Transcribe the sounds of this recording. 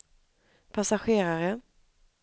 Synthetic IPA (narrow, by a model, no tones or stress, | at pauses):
pʰasaɧeːɾaɾə